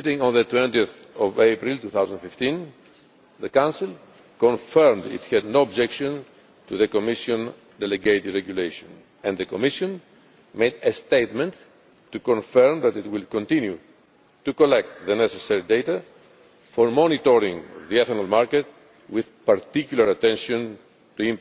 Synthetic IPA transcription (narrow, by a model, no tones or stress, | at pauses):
t̪ĩŋɔ̃nðət̪wɛ̃nt̪iəθ | ɔvepɾilt̪uθawzə̃nfift̪ĩn | ðəkãnsil | kɔ̃nfɛɾmd̪ḭt̪hɛd̪noːbd͡ʒɛkʃɔ̃n | t̪uðəkomiʃõn | d̪ɛleɡejt̪idɹɛɡjuleʃɔ̃n | ɛ̃nðəkomiʃɔ̃n | mejd̪est̪ejt̪mɛ̃ntː | ukɔ̃ɱfɛɾmðæt̪it̪wilkõnt̪ĩnju | t̪ukolɛk̚t̪ðənɛsesɛɹid̪ejt̪a | foɾmɔnit̪ɔɾĩŋðiɛθnalmaɾket̪̚ | wiðpaɾt̪ikjulaɾat̪ɛ̃nʃõn | t̪uĩmp